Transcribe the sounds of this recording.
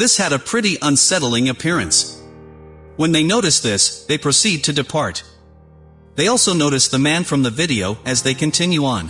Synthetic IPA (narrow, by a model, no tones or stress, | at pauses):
ðɪshɨɾɨpʰɹ̥ɪɾiʔʌ̃nsɛɾl̩ˠɪ̃ŋɨpʰɪɹɨ̃ns | wə̃nðeɪnoʊɾɨsðɪsðeɪpʰɹ̥osid̚tʰɨdɨpʰɑɹt̪̚ | ðeɪɔlˠsoʊnoʊɾɨsðɨmæ̃nfɹʌ̃mðɨvɪɾioʊɨzðeɪkɨ̃ntʰɪ̃njuə̃n